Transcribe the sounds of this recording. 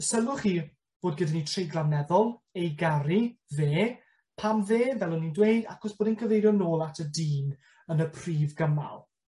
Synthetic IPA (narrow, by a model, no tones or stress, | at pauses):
əsəlˠʊχiː | b̥oːdɡədanitʰrejɡlˠamnɛðɔlˠejɡaɾiveː | pʰamveːvɛlˠʊnindwejda̰kɔsb̥oːdənkʰəvejɾjɔnoːlˠatʰədiːn | ənəpʰriːvɡəma̰lˠ